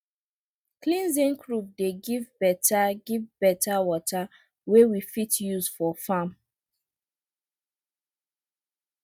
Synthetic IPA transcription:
klĩnzĩnkɹup̚deɡivbɛtʰaɡivbɛtawɔta | wewifitjuzfɔfãm

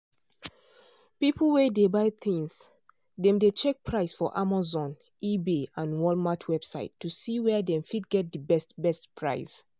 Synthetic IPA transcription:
pipl̩wedebaɪθĩŋs | dɛ̃mdet͡ʃɛk̚pʰɹaɪsfɔʔamazɔ̃n | ibeãnwɔlmatʰwɛb̥sa̰ɪtːusiwɛdɛ̃mfit̚ɡɛt̚dəbɛstbɛstpʰɹa̰ɪs

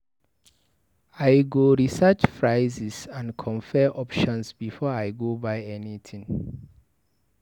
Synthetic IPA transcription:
ajɡoɹisɛt͡ʃfɹaɪzisãnkʰɔ̃nfɛʔɔpʃɔ̃nsbifɔaɪɡobaɪɛnitʰĩŋ

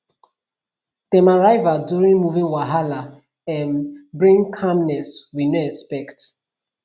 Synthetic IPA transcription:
tɛmaɹaɪvadjuɹĩŋmuvĩnwaɦala | ɛnbɹĩŋkʰamnɛswinoɛkspɛkt

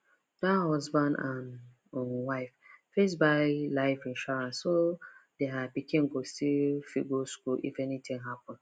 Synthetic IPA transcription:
dahɔzbãndãn | onwaɪffesbaɪlaɪfĩnʃaɹãnsːodeapikĩŋ̩ɡostifḭɡoskuʔḭfɛnitĩŋɦapɔ̃n

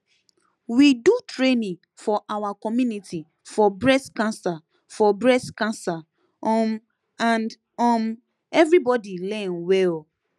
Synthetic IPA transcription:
widutɹenĩŋ | fɔʔawakɔmjuniti | fɔbɹɛskãnsa | fɔbɹɛskãnsa | ɔm | ãnd | ɔ̃m | ɛvɹibɔdilɛ̃nwɛl

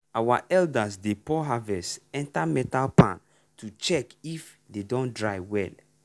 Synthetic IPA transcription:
awaʔɛldasdepɔɦavɛsɛ̃ntamɛtalpã̰n | tut͡ʃɛkif | dedõndɹajwɛ̰l

